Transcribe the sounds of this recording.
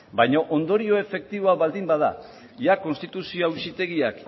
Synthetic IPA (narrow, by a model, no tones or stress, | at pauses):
bajɲoʔond̪o̞ɾio̞e̞fe̞k̚t̪iβo̞aβald̪imbaða̰ | jako̞nst̪it̪usioawsit̪e̞ɣiak